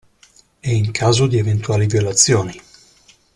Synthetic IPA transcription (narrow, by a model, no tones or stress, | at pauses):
ɛiŋkʰaːzod̪ievent̪uaːlivjolat̪sːjoːni